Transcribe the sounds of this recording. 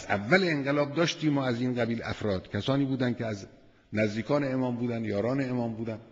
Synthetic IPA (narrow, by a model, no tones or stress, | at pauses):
ʔæ̰vːæleeŋɢelɒːb̚d̪ɒːʃt̪iːmɒːæziːnɡæbiːlæ̰fɾɒːd̪̥cʰæsɒːniːbuːd̪ænd̪kʲeæz | næzd̪iːkʰɒːneemɒːmbuːd̪ænjɒːɾɒːneemɒːmbuːd̪æn